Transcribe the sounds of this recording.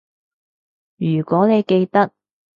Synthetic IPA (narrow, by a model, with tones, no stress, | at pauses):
jyː˨˩kʷɔː˨˥ne˨˧jke˧jt̪ɐ˥k̚